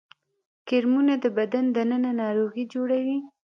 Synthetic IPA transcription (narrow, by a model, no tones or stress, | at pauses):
kɪɾmunad̪əbad̪and̪ənənanɑɾoɣid͡ʒoɽawi